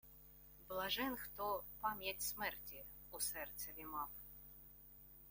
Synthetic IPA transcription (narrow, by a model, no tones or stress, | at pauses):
blˠaʐɛnxt̪ɔpamʲjɛtʲsmɛrtʲi | usɛrt̪sɛvʲimaf